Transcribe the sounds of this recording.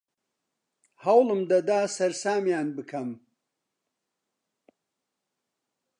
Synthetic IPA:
hɐwlɨmd̪ɐd̪aːsɐɾsaːmjaːnbɨkʰɐm

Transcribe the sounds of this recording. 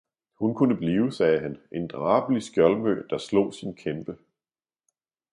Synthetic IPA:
hunkʰunəb̥liːʊsɛːɦæne̝nd̥ʁɑ̈ːb̥əlisɡ̥jɒlmø̰ːd̥ɑ̈slɔ̰̽ːsinkʰemb̥ə

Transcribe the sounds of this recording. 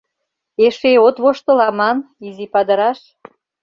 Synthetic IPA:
eʃeot̪βoʃt̪ə̆lɑmɑnizipɑd̪ə̆ɾɑʃ

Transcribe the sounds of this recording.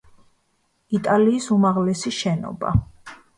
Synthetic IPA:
it̪ʼaliːsumaʁlɛsiʃɛnɔ̰ba̰

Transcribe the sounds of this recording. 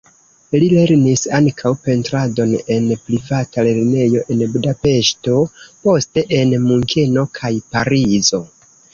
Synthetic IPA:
lile̞ɾnisaŋkʰawpe̞ntɾado̞ne̞npɾivatale̞ɾne̞jo̞ʔe̞nbudape̞ʃto̞po̞ste̞ʔenmuŋkʰe̞no̞kʰajpaɾizo̞

